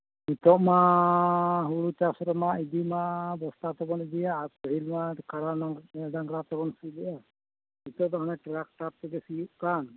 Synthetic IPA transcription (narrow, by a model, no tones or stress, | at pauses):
mit̪ɔʔma | ɦuɽut͡ʃasɔɾɔmaid̪imabɔst̪at̪ɔbɔnid̪ijaɾpɔɦilmakaɾaaɖaŋɡɾat̪ɔbɔnsilɛʔa | mit̪ɔʔd̪aɦɔnɛʈɾak̚ʈap̚t̪ɛɡɛsijuʔʔkan